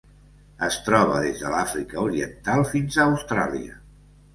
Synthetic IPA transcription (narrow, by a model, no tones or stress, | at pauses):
əst̪ɾɔβ̞ə̰ðezðəlafɾikəuɾiənt̪alˠfinzaːwst̪ɾa̰liə